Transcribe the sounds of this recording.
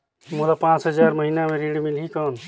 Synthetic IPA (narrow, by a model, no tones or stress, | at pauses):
molapãt͡ʃɦəd͡ʒaɾməɦinameɾiɽimilɦikən